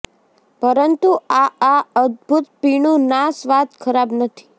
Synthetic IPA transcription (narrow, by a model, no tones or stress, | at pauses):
pəɾənt̪uaːəd̪bʱut̪̚piɳũnasʋat̪kʰəɾabnət̪ʰi̥